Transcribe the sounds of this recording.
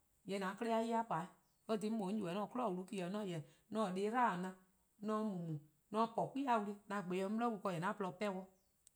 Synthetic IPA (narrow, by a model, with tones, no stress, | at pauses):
jɛ˨nã˨˦kə˦le˦˧˦a˧˦ji˦a˦pa˨i˦ | ə˦dĩ˧˦mõ˨˦d͡ʒu˨ɛ˨˦ɔ̃ː˧˨kɔ˦lɔ˦˨wu˧lu˦ki˧˦˨ə˨nɔ̃ː˦jɛ˨ | nɔ̃ː˦˨ɗeː˨˦ɾaː˦˨nã˧ | nɔ̃˧˦mũ˨ũ˨ | nɔ̃ː˧˦pɔ˨ki˦a˧wu˧ɾi˦nã˨˦˨ɡ͡be˨˦ɔ̃˧˦m˦lɛ˦wu˧u˧kɔ˧˨jɛ˨nã˨˦pə˧lɔ˧˦pɛ˦wɔ˧˦